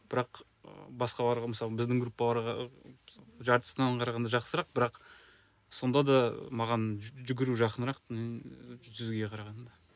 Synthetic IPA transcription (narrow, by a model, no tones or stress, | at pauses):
b̥ɪɾɑq | bɑsqɑbɑɾʁməsɑlˠbɪzd̪ɪŋɡɾupːɑlˠɑɾʁɑ | ʒɑɾt̪ə̥sənɑɴqʰɑɾɑʁɑnd̪ɑʒɑqsəɾɑq̚bɪɾɑq | so̞nd̪ɑd̪ɑmɑʁɑnʒʏɡʲɪɾuʒɑqənəɾɑq̪menʒʰʏzɡʲeqʰɑɾɑʁɑnd̪ɑ